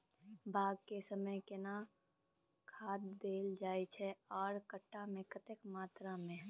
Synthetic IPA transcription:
baːɡkesəməjkena | kʰaːd̪d̪eːld͡ʒaːjt͡ʃʰɛɔːɾkəʈːamẽkət̪ekmaːt̪ɾamẽ

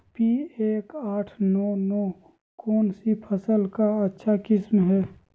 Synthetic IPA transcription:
pieːkaːʈʰnɔnɔː | kɔːnsipʰəsəlkaətːʃʰakɪsmɦɛː

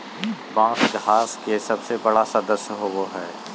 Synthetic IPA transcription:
bãːsɡɦaːskesɐbsebɐɽasɐɾd̪əsjəɦoʋoɦɛː

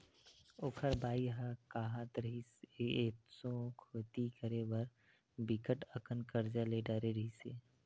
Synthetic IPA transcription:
okʰəɾbʱaːiɦakaːɦat̪ɾəɦiseeːt̪sõkʰoːt̪ikəɾeʋəɾ | bikəʈəkənkəɾd͡ʒaleːɖaːɾeɾəɦiseː

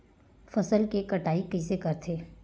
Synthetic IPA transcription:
fɐsəlkekɐʈaːikɪsekɐɾt̪ʰeː

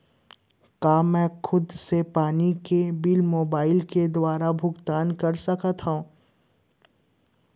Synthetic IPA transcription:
kaːmɛ̃ːxʰʊd̪sepaːnikebɪlmoːbaːɪlked̪waːɾabʱʊɡt̪aːnkɐɾsɐkʰat̪ɦaũː

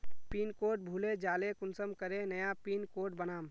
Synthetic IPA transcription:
piːnkoːʈ̚bʱuːled͡ʒaːlekʊnsəmkəɾenəjapiːnkoːʈ̚bənaːm

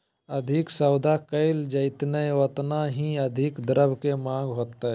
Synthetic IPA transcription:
əd̪ʱɪksəwd̪ʱakəɪld͡ʒəɪt̪nəət̪naɦĩəd̪ʱikd̪əɾəbkemãːɡɦoːt̪ːə

